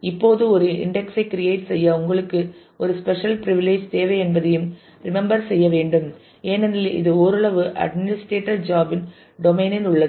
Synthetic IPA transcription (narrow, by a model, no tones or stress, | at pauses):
ɪpːoːðɯɔɾɯɪ̰ɳɖɛksɐɪkːɪɾɪjeɪʈsɛjːɐʊŋɡɐɭɯkːɯ | ʔɔɾɯspɛʂɐlpɪɾɪʋɪleːd͡ʒt̪eːʋɐɛnbɐðɐjɯm | ɾɪmɛmbɐɾsɛjːɐʋeːɳɖɯm | eːnɛnɪlɪ̰ðɯoːɾɯɭɐʋɯʔɐ̰ɖmɪnɪsʈɾeːʈːɐɾd͡ʒaːbɪn | ɖɔmeːnɪnʊɭːɐð